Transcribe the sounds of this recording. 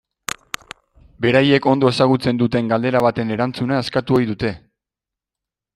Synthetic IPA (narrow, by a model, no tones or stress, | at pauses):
be̞ɾaje̞ko̞nd̪o̞e̞saɣ̞ut͡se̞nd̪ut̪e̞ŋɡald̪e̞ɾaβ̞at̪e̞ne̞ɾant͡sunaeskat̪uo̞jðut̪e̞